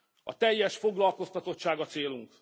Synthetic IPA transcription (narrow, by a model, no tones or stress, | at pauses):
ɒ̰t̪ɛjːɛʃfo̞ɡlɒlko̞st̪ɒt̪o̞t̪ʃaːɡɒt̪seːluŋk